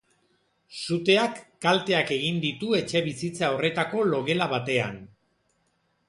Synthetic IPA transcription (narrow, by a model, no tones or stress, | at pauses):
sut̪e̞akːalt̪e̞ake̞ɣ̞ind̪it̪ue̞t͡ʃe̞βisit͡sao̞re̞t̪ako̞lo̞ɣe̞laβat̪e̞a̰n